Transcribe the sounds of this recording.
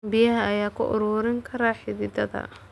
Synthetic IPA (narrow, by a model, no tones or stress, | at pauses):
bɪjɐɦɐːjaːkʰʊʔʊ̰ɾuːɾɪŋkʰɐɾaːħɪðɪd̪ɐðɐ̰